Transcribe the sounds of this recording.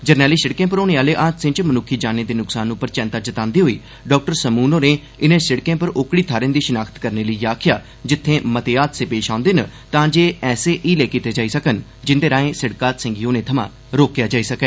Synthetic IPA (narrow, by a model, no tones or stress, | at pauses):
d͡ʒəɾnɛːliːsəɽkẽːp̬əɾoːnẽːaːleːʔãːt̪sɪ̃t͡ʃmənʊkʰːiːd͡ʒaːneːd̪eːnʊksaːnːũːpəɾt͡ʃɛ̃ːnt̪aːd͡ʒət̪ãːnd̪iːɦoːiː | ɖɔːk̚ʈəɾsəmuːnoːneː | ɪnẽːsɪɽkẽːpəɾoːkɽiːt̪ʰaːɾẽːd̪iːʃʊnaːkʰt̪kəɾneːləiːjaːkʰɪjaː | d͡ʒɪt̪ʰːẽːmət̪eːaːt̪seːpeːʃãːʊ̃nd̪eːnət̪ãːd͡ʒeːɛːseːʔiːleːkiːt̪eːd͡ʒaːiːsəkən | d͡ʒɪnd̪eːɾãːẽːsɪɽkaːt̪sɪ̃ŋɡiːoːnẽːt̪ʰəmã̰ː | ɾoːkjaːd͡ʒaːiːsəkɛː